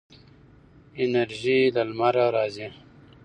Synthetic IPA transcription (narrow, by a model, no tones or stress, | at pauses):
ineɾʑilalmaɾaɾaːzi